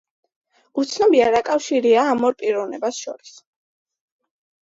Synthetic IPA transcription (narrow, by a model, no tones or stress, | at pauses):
ut̪sʰnɔbiaɾakʼafʃiɾiaːmɔɾpʼiɾɔvnɛbasʃɔɾis